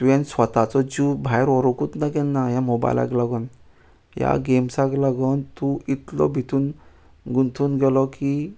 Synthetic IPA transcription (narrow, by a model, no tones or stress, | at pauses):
ɛ̃nsʋət̪at͡sɔd͡ʑubʱajɾɔɾɔkut̪nakɛnːajamoba̰jla̰klaɡən | ja̰ɡemsaklaɡənt̪uʔit̪lɔ̰bʱit̪uːn | ɡunt̪ʰuːnɡɛlɔki